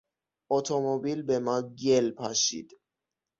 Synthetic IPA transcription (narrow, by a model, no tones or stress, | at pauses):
ʔot̪ʰomobiːlbemɒːɟelpʰɒʃḭːd̪̥